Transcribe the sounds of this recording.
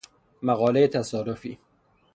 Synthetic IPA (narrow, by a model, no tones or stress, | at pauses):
mæɣɒːlejet̪ʰæsɒːɾofḭː